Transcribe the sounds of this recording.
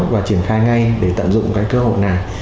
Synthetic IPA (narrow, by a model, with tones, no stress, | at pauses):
vaː˨˩t͡ɕi˧˩ənxaː˧jŋa˧jɗe˧˩t̪ə̰˧˨nzʊ̰˧˨ŋ͡mkaː˨˦jkəː˧ho̰˧˨jna˨˩j